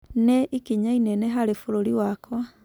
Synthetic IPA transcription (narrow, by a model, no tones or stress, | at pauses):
neʔikiɲainɛneɦaɾefoɾoɾiwakwa